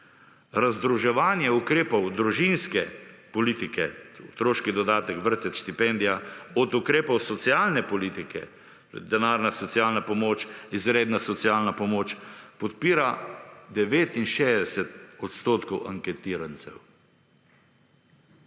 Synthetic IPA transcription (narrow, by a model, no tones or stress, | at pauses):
ɾazd̪ɾuʒɛʋaːnjɛukɾeːpɔwd̪ɾuʒinskɛpɔliːt̪ikɛɔt̪ɾoːʃkid̪ɔd̪aːt̪ɛkʋəɾt̪ɛʃt̪ipɛnd̪ijaɔd̪ukɾeːpɔwsɔt̪sjaːlnɛpɔliːt̪ikɛ̰ | d̪ɛnaːɾnasɔt̪siaːlnapɔmoːt͡ʃizɾeːd̪nasɔt̪sijaːlnapɔmoːt͡ʃpɔt̪̚piːɾad̪ɛʋeːt̪inʃeːzd̪ɛsɛt̪ɔt̪st̪oːt̪kɔwʔa̰ŋkɛt̪iːɾant̪sɛ̰w